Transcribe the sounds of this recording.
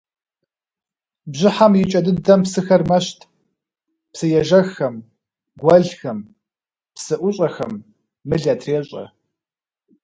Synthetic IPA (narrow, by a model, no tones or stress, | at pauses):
bʑɪħamjɪt͡ʃʼɐdɨdɐmpsɨxɐrmɐɕtʰ | psɨjɛʒɐxɐm | ɡʷɐɮxɐm | psɨʔʷʊɕʼɐxɐmː | ɨɮɐtʰreːɕʼɐ̰